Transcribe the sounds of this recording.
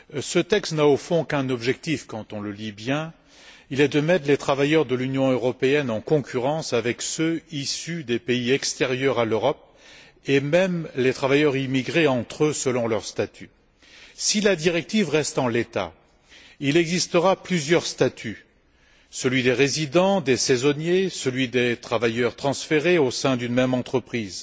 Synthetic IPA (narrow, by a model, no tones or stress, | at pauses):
sət̪ɛkst̪naofɔ̃kɛ̃nɔbʒɛk̚t̪ifkɑ̃t̪ɔ̃ləlibjɛ̃ | ilɛd̪əmɛt̪let̪χavajœʁd̪əlynjɔ̃øʁɔpeɛnɑ̃kɔ̃kʲʰyʁɑ̃savɛksøisyd̪epeiɛkst̪eʁjœʁaløʁɔp̚ | emɛmlet̪χavajœʁimiɡʁeɑ̃t̪χøsəlɔ̃lœʁst̪at̪ʰy | silad̪iʁɛk̚t̪ivʁɛst̪ɑ̃let̪a̰ | ilɛɡzist̪əʁaplyzjœʁst̪at̪ʰy | səlɥid̪eʁezid̪ɑ̃d̪esezɔnjesəlɥid̪et̪χavajœʁt̪χɑ̃sfeʁeosɛ̃d̪ynmɛmɑ̃t̪χəpχiːz